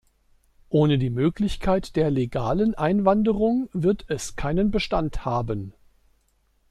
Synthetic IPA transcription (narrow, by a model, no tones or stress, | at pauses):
ʔoːnədiːmøːklɪçkʰaɪtd̥eːɐleɡa̰ːlənʔaɪnvandəʁʊŋvɪɐtɛskʰaɪnənbəʃtanthaːbən